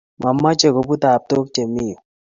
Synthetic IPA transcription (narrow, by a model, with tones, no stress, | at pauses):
ma˨mːa˦t͡ʃe˨ɡo˨pu˦t̪a˨p̚t̪o˦k̚t͡ʃe˨mi˦jo˨